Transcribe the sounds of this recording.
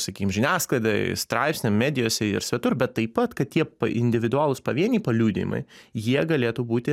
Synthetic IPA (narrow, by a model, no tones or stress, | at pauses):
sɐkʲiːkʲɪmʒʲɪnʲæːsklˠɐɪd̪ɐ̰st̪ɾɑɪpsʲnʲɛmmʲæːd̪ʲɪjoːsʲɛɪ̰ɾsʲʋʲɛt̪ʊɾbʲɛt̪ːɐɪppɐt̪kɐttʲiɛpɐʔɪnʲd̪ʲɪʋʲɪd̪ʊaːlˠʊspɐʋʲiɛnʲiːpɐlʲuːd̪ʲɪ̰jɪ̰mɐ̰ɪjiɛɡɐlʲeːt̪uːbuːt̪ʲɪ